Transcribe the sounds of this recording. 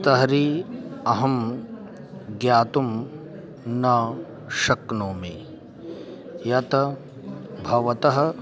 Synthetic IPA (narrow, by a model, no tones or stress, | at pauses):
t̪ɐɦɐɾiːɐɦɐm | ɡjaːt̪um | nɐ | ʃɐknoːmi | jɐt̪ɐ | bʱɐʋɐt̪ɐɦɐ̆